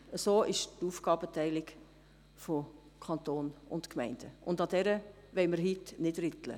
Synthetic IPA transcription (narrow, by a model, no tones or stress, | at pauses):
əsoːʔɪʃtufɡɑːb̥ətɛɪlɪɡ | fo | kʰɑnt̪oːnʊ̰ntkmɛɪnd̥əʔʊndɑdɛɾə | ʋɛɪməɾɦitnɪdɾɪtlə̰